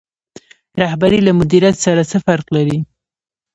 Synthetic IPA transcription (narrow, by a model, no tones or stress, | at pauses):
ɾahbaɾilamʊd̪iɾjat̪saɾat͡səfaɾqlaɾi